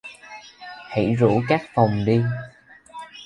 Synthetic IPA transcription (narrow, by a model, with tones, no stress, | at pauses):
hḭ˧˩˥zṵ˧˥kaː˦˥k̚fa˨˩wŋ͡mɗi˧